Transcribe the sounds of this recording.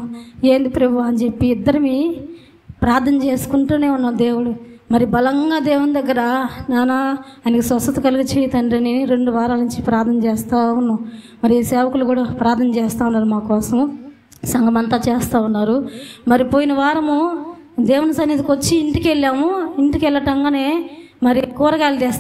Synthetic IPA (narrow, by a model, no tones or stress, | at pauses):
eːnd̪ipɾebʱuɐnt͡ʃepːiːd̪ːɐɾɐmi | pɾaːɾt̪ʰːɐnɐt͡ʃeːsu̥kuɳʈuːne̞ːunːaːd̪e̞ːwuɽumɐɾibɐlɐŋɡaːd̪eːwund̪ɐɡːɐɾɐnaːnaːjnɐkisɐst̪ɐt̪ɐkɐluɡɐt͡ʃeːjt̪ɐɳɖɐniɾeɳɖuʋaːɾaːlnuɲt͡ʃipɾaːɾt̪ʰnɐnɐt͡ʃɛːst̪aːunːa | mɐɾiiːsɛːʋɐkulukuːɽaːpɾaːt̪ʰnɐnɐt͡ʃɛːst̪aːunːaːɾumaːkɔːsɐm | sɐŋɡɐmɐnt̪aːt͡ʃeːst̪aːunːaːɾumɐɾipoːjinɐʋaːɾɐmu | d̪eːwunɐsɐnːit̪ikot͡ʃːiːɳʈikelːaːmuiɳʈikɛlːɐʈɐŋɡaːne̞ː | mɐɾikuːɾɐɡaːlid͡ʒ̪ɛːst̪ː